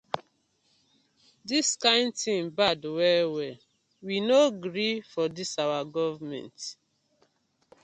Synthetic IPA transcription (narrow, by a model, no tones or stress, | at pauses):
diskãɪ̃ndtĩmbadwɛwɛ | winoɡɾifɔdisawaɡɔvmɛ̰̃nt